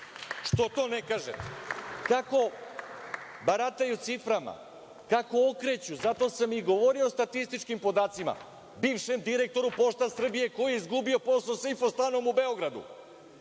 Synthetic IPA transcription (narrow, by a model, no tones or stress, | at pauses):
ʃt̪o̞t̪o̞ːnekaːʒḛt̪kako̞ | baɾat̪ajut̪sifɾama̰ | kako̞okɾe̞t͡ɕuzat̪o̞samiɡo̞ʋoɾio̞st̪at̪ist̪it͡ʃkimpo̞d̪aːt̪sima̰ | biːʋʃe̞md̪iɾe̞k̚t̪o̞ɾupo̞ʃt̪asr̩bije̞ko̞jijeizɡubio̞po̞sosifost̪ano̞mube̞o̞ɡɾad̪ṵ